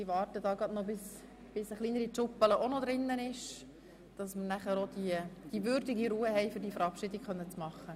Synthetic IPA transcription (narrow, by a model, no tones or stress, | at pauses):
diʋɑːɾtədɑːɡɾɑd̥̪nobɪs | b̥ɪsəχliːnəɾit͡ʃʊpːələʔonɔd̪ɾɪnːənɪʃ | d̥ɑsmərnæχəɾod̥̪id̥iʋʏɾdɪɡiɾuːəhɛɪfɵɾdiəfəɾɑpʃɪdɪkχœnːət͡smɑχːə